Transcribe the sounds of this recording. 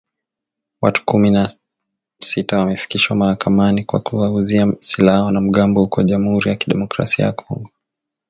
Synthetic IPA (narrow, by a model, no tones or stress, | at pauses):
watu̥kumina | sitawamɛfi̥kiʃwamahakʰamanikwa̰kuaɡuziasilahɔnam̩ɠambɔhukɔaʄamuhuɾijakiɗɛmɔkɾa̰sia̰jakʰɔŋɡɔ